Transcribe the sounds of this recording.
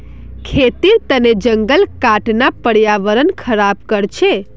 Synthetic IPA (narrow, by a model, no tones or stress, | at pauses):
kʰet̪iɾt̪əned͡ʒəŋɡəlkaʈnapəɽjaʋəɾənkʰəɾab̚kəɽt͡ʃʰe